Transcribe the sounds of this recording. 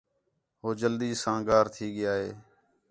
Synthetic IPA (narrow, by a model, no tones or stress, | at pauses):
ɦoːd͡ʒəld̪iːsãːɡaːɾt̪ʰiːɠɪjaːɦeː